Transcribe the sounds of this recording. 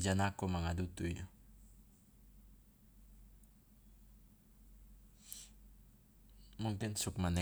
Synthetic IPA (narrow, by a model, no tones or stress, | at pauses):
d͡ʒanakumaŋadut̪ujo | muŋkɪnsʊk̚manɛ